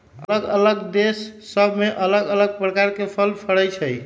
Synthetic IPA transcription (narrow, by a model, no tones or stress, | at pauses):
ələɡələɡd̪esːəbʱmeʔələɡələɡ̚pɾəkaɾkepʰəlpʰəɽəjt͡ʃʰəj